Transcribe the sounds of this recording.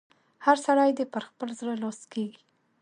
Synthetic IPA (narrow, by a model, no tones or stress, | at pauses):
haɾsaɽajd̪epəɾxpəlzɽəlɑskeɡi